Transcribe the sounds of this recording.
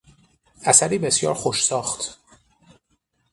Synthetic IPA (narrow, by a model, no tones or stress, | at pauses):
ʔæsæɾiːbe̞sjɒ̰ːɾxoʃsɒːxt̪ʰ